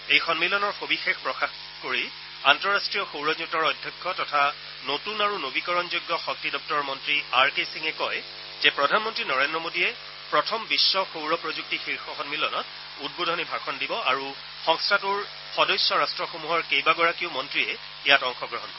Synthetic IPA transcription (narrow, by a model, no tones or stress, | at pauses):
ejxɔnmilɔnɔɹxobixexpɹɔxax | koɹi | antɔɹastɹijɔxowɹɔzutɔɹɔdʱjɔkʰːɔtɔtʰa | notunaɹunobikɔɹɔnzojɡːɔxɔk̚tidɔp̚tɔɹmɔntɹiaɹkesiŋɛkɔj | zɛpɹɔdʱanmɔntɹinɔɹendɹɔmodijɛ | pɹɔtʰɔmbisːɔxowɹɔpɹozuk̚tixiɹxɔxɔnmilɔnɔt | ud̚bodʱɔnibʱaɹkʰɔndibɔaɹu | xɔŋstʰatuɹ | xɔdɔjsːɔɹastɹɔxomuɦɔɹkejbaɡɔɹakiʊmɔntɹiɛ | jatɔŋxɔɡɹɔɦɔnkɔ